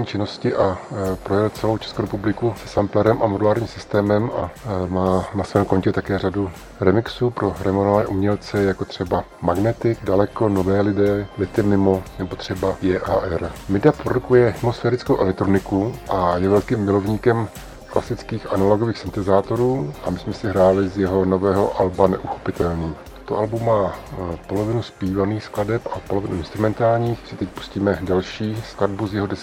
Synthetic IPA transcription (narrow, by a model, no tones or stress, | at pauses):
ɲiːt͡ʃɪno̞scɪʔapɾo̞jɛlt͡sɛlo̞wt͡ʃʰɛskowɾɛpublɪkusɛ̥samplɛɾɛmʔamodulaːɾɲiːmsɪst̪ɛːmɛmʔamaːnasvɛːmko̞ɲcɛt̪akɛːr̝adu | ɾɛmɪksuːpɾo̞ɾɛmonovanɛːʔumɲɛlt͡sɛjako̞t̪r̝̥ɛbamaɡnɛt̪ɪɡdalɛko̞novɛːlɪdɛːmɪt̪ɪmɪmo̞nɛbot̪r̥ɛbajɛːʔaːʔɛɾmɪdapɾodukujɛɦɪmosfɛːɾɪt͡skowʔɛ̰lɛkt̪ɾonɪkuʔajɛvɛlkiːmːɪlo̞vɲiːkɛm | kla̰sɪt͡skiːxanalo̞ɡo̞viːxsɪnt̪ɛzaːt̪o̞ɾuːʔamɪsmɛsɪɦɾaːlɪzjɛɦo̞no̞vɛːɦo̞ʔalbanɛ̰ʔuxo̞̥pɪt̪ɛlniːt̪u̥t̪oʔalbumːaːpo̞lo̞vɪnuspiːvaniːxskladɛpapolo̞vɪnuɪnst̪ɾumɛnt̪aːlɲiːxsɪt̪ɛc̚pu̥sciːmɛdalʃiːskladbuzjɛɦodɛs